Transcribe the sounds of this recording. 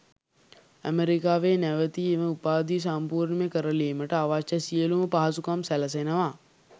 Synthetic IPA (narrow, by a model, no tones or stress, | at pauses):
ə̰meɾikaːʋeːnæʋət̪iːeʋəupaːd̪is̬ampuːɾɳmekəɾəliːməʈəaʋat͡ʃːasijəluməpaɦɐsukamsælɐs̬enəʋaː